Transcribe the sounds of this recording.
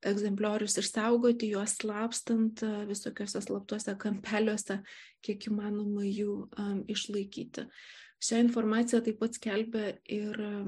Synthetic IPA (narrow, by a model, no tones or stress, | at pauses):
ɛɡzʲɛmʲpʲlʲoːɾʲʊsɪsɐʊɡoːt̪ʲɪjuɔsslˠɑːpst̪ɐnt̪ʋʲɪsoːkʲoːsʲɛslˠɐp̚t̪uɔsʲɛkɐmʲpʲæːlʲuɔsʲɛkʲiɛkiːmɑːnoːmɐjuːɪʃlˠɐɪkʲḭːt̪ʲɪ̰ʃʲæːɪnfoːrmɑːt̪ʲɪjæːt̪ɐɪp̚pɐt̪sʲkʲɛlʲbʲɛɪr